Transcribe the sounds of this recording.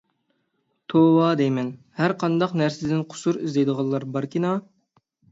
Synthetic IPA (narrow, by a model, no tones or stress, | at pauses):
t̪ʰowɑd̪ɛjmɛn | hæɾqʰɑnd̪ɑqnæɾsɪd̪ɪnqʰʊ̥suɾɪzd̪ejd̪əʁɑlˠːɑɾbɑɾkʲinɑ